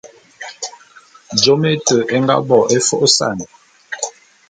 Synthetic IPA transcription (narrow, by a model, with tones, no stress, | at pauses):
d͡ʒo˦me˦tə˨ʔɛ˦ŋɡa̰˦bɔ˨ʔe˦fo˦ʔo˦sa̰˦˨n˨